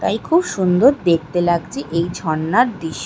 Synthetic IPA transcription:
t̪ajkʰubʃund̪oɾd̪ek̚ʰt̪elaɡt͡ɕʰiʔejd͡ʑʱɔnːaɾd̪iʃ

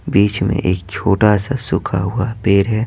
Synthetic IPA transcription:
biːt͡ʃmḛ̃ʔeːk̚t͡ʃʰoːʈasasʊkʰa̰ɦʊapeːɾɦɛː

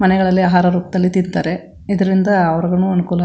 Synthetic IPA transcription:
mɐnɛɡɐɭɐlːiaːɦaːɾɐɾuːp̚d̪ɐlːit̪int̪aːɾe | id̪ɐɾind̪ɐːʋɐɾɐɡɐnuːɐnukuːlɐ

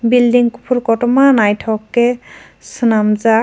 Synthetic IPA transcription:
bildiŋku̥pʰuɾkɔtɔmanajtʰɔkːe | sɯnamza

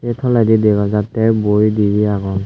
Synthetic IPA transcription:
ɛtʰɔladideɡazatɛbojdiɹiaɡɔn

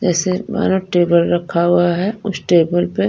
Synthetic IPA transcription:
d͡ʒɛːseba̰ːnoʈeːbəlɾɐkʰaɦʊaɦɛʊsʈeːbəlpe

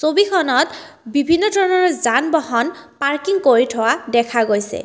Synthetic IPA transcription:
sobikʰɔnɔt | bibʱinːɔdʰʱɔɹnɔɹzanbɔɦɔnpaɹkiŋkoɹitʰɔwadɛkʰaɡojsɛ̰

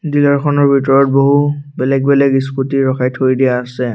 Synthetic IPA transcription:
dilɔɹkʰɔnɔɹbʱitɔɹɔt̚boɦubɛlɛɡ̚bɛlɛɡisputiɹɔkʰajtʰojdijaːsɛ

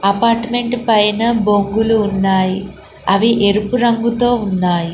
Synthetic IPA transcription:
ɐpaːɾʈme̞ɳʈpɐjnɐbo̞ŋɡuluːnːaːji | ɐʋiʔeɾupuɾɐŋɡut̪o̞ːunːaːji

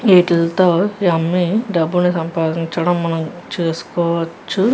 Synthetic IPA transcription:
iːʈilt̪oːɐmːiɖɐbːunisɐmpaːd̪iɲt͡ʃɐɽɐmːɐnɐmt͡ʃeːsu̥kɔːʋɐt͡ʃːu

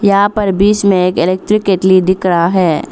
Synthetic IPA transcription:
jɐɦãpɐɾbiːt͡ʃmẽeːkɪleːk̚ʈɾɪkɪʈlid̪ɪkɾaɦɛː

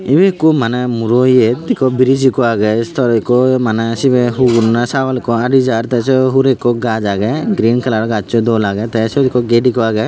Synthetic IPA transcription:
ibekɔmanɛmuɾoied̪ikɔbiɾid͡ʒikɔaɡɛst̪ʰɔɾikɔmanɛsibeɦunasaʋalkɔaɖid͡ʒaɾt̪ɛsɔɦuɾekɔɡad͡ʒaɡɛɡɾiːnkɐlaɽɡat͡ʃɔd̪ɔlaɡɛt̪ɛsɔd̪ikɔɡeɖikɔaɡɛ

